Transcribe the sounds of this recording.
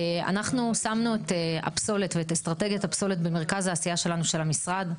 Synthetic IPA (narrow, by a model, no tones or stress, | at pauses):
a̰naχnusamnuet̪ea̰pso̞letveetest̪ʁate̞ɡjatapso̞let̪beme̞ʁkazhaːsijaʃe̞lanuʃe̞lamisʁad